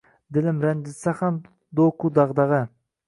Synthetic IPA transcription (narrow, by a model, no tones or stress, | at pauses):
d̪ɪlɪmɾænd̪ɪsaχɑn | d̪okud̪ɑʁd̪ɑʁə